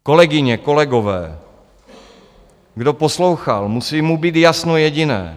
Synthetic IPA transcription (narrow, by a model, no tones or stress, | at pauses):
ko̞lɛɡɪɲɛko̞lɛɡovɛ̰ː | ɡdoposlowxalmusiːmubiːt̪jasnojɛɟɪnɛ̰ː